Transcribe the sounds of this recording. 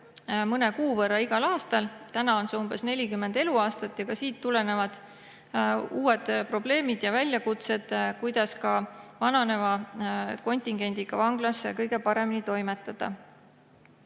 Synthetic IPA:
mɤnekuːvɤrːɑiɡ̥ɑlɑːst̪ɑlt̪ænɑo̞nseumbe̞sne̞lʲikymːend̪e̞luɑːst̪ɑt̪ːjɑkɑsiːt̪ːule̞ne̞vɑd̪̥ | uːe̞d̪̥pro̞b̥le̞ːmid̪̥jɑvælʲjɑkut̪se̞d̪̥kujd̪̥ɑskɑvɑnɑne̞vɑko̞nʲt̪ʲˑiŋɡ̥e̞nʲd̪̥iɡ̥ɑvɑŋɡ̥lɑskɤjɡ̥e̞pɑɾe̞minit̪o̞jmet̪ːˑɑd̪̥ɑ̰

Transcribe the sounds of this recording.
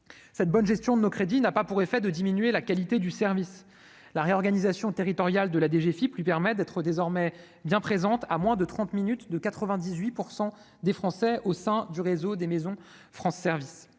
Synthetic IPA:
sɛt̪̚bɔnʒɛst̪jɔ̃d̪ənokχed̪inapapuʁefɛd̪əd̪iminɥelakalit̪ed̪ysɛʁvis | laʁeɔʁɡanizasjɔ̃t̪eʁit̪ɔʁjald̪əlad̪eʒefiplɥipɛʁmɛd̪ɛt̪χəd̪ezɔʁmɛ | bjɛ̃pχezɑ̃t̪amwɛ̃d̪ət̪χɑ̃t̪minyt̪d̪əkat̪χəvɛ̃d̪izɥipuʁsɑ̃ | d̪efχɑ̃sɛosɛ̃d̪yʁezod̪emezɔ̃ | fχɑ̃sːɛʁvis

